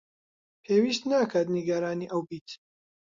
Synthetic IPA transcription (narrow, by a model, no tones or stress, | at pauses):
pʰeːwiːst̪naːkʰat̪niɡaɾaːniːʔɐwbiːt̪